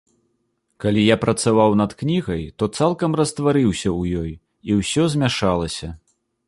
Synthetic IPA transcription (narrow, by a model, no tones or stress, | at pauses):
kalʲijapɾɐt̪savawnɐt̪knʲiɣɐjt̪ɔt̪salˠkɐmrɐst̪vaɾɨwsʲɐwjɔj | iwsʲɔzʲmʲaʂalˠɐsʲɐ